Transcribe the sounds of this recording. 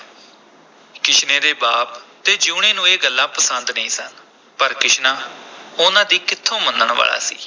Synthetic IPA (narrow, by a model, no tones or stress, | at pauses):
kɪʃnẽːd̪eːbaːp̚t̪eːd͡ʒuːɳẽːnũːeːɡəlːaːpəsənd̪nəĩːsən | pəɾkɪʃnãːʊnãːd̪iːkɪt̪ʰːõːmənd̪əɳ̃ʋa̰ːɭa̰ːsḭː